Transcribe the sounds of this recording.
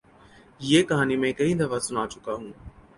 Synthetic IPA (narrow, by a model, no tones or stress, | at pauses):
jeːkɐɦaːnimẽkɐĩːd̪ʱɐʋat͡sʊnaːt͡ʃʊkaːɦũː